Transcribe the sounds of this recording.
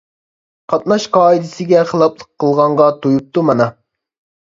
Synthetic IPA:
qʰɑt̪̚nɑʃqʰɑːid̪ɪsɪɡʲɛχəlˠɑplˠəqʰːəlˠʁɑɴʁɑt̪ʰojup̚t̪umɑnɑ

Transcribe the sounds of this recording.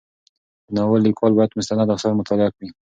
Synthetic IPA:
nawalikwɑlbɑjad̪mʊst̪anad̪axsɑɾmʊt̪ɑlɪakwi

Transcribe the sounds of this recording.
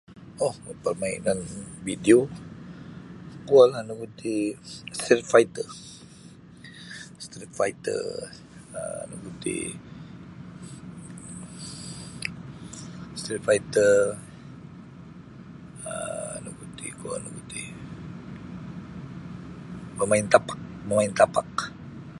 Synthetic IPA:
ohpərmaḭnanbidio | kualanuɡut̪ist̪ɾit̪̚fajt̪ə | st̪ɾit̪fajt̪ə̰ | ə̰nuɡut̪ḭ | st̪ɾit̪fajt̪ər | ənukut̪ḭkua̰lnuɡut̪i | məmaɪnt̪apḁk̚məmaɪnt̪apak

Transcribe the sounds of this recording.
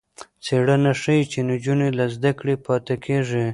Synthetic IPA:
t͡seɽanaʂəjt͡ʃend͡ʒunelazd̪akɽepɑt̪akʰeʐi

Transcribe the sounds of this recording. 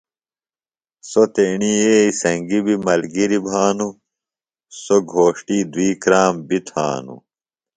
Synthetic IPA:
sot̪eɳiːeːisɐŋɡibimɐlɡiɾibʱaːnu | soɡʱoːʂʈiːd̪wiːkɾaːmbit̪ʰa̰ːnṵ

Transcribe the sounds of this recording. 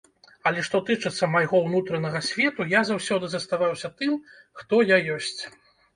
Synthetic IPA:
ɐlʲɛʂt̪ɔt̪ɨt͡ʂɨt̪sːɐmajɣɔwnut̪ɾɐnɐɣɐsʲvʲɛt̪ujazawsʲɔd̪ɨzɐst̪avawsʲɐt̪ɨm | xt̪ɔjajɔsʲt͡sʲ

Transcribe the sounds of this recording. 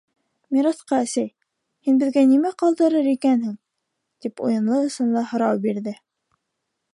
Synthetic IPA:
miɾɑsqɑæsæj | hinbɘ̆ðɡænimæqɑlˠd̪ɤ̆ɾɤɾikænhɘŋ | t̪ipṵjɤ̆nlˠɤɤ̆sɤnlˠɑhŏɾɑwbiɾðɘ

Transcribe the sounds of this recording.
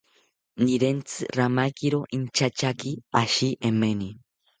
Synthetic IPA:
niɾent͡sɨɾamajkiɾoʔint͡ʃat͡ʃakiaʃiʔemeni

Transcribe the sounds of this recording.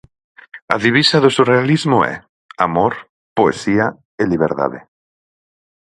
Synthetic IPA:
a̰ðiβ̞isaðosurealizmoɛ̰ | amoɾ | poḛsia | eliβ̞eɾt̪a̰ðḛ

